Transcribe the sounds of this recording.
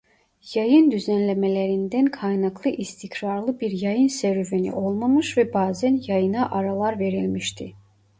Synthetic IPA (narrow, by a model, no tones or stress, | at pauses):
jɑjɯnd̪yzænlʲɛmɛlæɾind̪ænkʰɑjnɑklˠɯʔist̪ʰikʰɾɑɾlˠɯbiɾjɑjɯnsæɾyvenḭʔo̞lˠmamɯʃvɛbaːzænjɑjɯnɑʔɑɾalˠɑɾve̞ɾilʲmiʃt̪ʰi